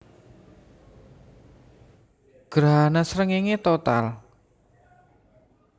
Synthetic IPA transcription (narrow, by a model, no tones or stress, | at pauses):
ɡ̥ɾɦanasɾəŋeŋet̪ot̪a̰l